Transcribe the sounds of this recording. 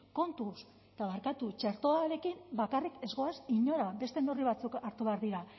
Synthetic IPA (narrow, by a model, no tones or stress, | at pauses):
ko̞nt̪us | et̪aβaɾkat̪ut͡ʃe̞ɾt̪o̞aɾe̞kimbakarike̞zɣo̞asiɲo̞ɾabe̞st̪e̞noriβat͡sukaɾt̪uβeaɾðiɾa